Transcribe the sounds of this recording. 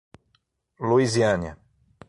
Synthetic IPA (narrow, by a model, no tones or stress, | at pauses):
luiziɐ̃nʲɐ̰